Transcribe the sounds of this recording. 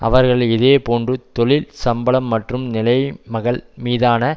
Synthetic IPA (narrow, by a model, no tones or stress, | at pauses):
ʔɐ̰ʋɐɾɣɐɭɪðeːpoːndrɯt̪ɔɭɪlsɐmbɐlɐmːɐʈrɯmnɪlɐɪmɐɣɐɭmiːðaːnɐ